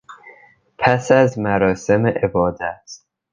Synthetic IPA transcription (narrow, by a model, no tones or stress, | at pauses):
pʰæsæzmæɾɒːsemeʔebɒːd̪æt̪